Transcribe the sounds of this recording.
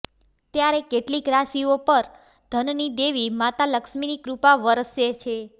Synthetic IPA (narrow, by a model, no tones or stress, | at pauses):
t̪jaɾekeʈlikɾasiopəɾ | d̪ʱənnid̪eʋimat̪aləkʃminikɾupaʋəɾəsjet͡ʃʰe